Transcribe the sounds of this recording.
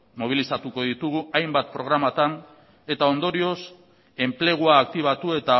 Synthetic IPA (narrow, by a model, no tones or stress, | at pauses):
mo̞β̞ilisat̪uko̞ðit̪uɣ̞uajmbat̪̚pɾo̞ɣɾamat̪an | e̞t̪ao̞nd̪o̞ɾio̞s | e̞mple̞ɣ̞uaːk̚t̪iβ̞at̪ue̞t̪a